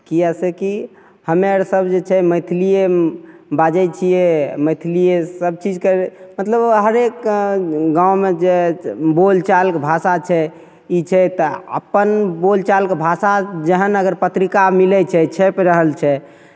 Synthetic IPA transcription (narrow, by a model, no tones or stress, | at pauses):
kijaseki | həmeɾsəbd͡ʒet͡ʃʰɛməjt̪ʰilie | bad͡ʒɛt͡ʃʰijɛməjt̪ʰilijesəb̚t͡ʃid͡ʒkeɾmət̪ləbɦəɾek | ɡãwmed͡ʒebolt͡ʃalkbʱasat͡ʃʰɛ | it͡ʃʰɛt̪ɔə̰pːənbolt͡ʃalkebʱasad͡ʒəɦənəɡəɾpət̪ɾikamilɛt͡ʃʰɛt͡ʃʰɛpɾəɦəlt͡ʃʰɛ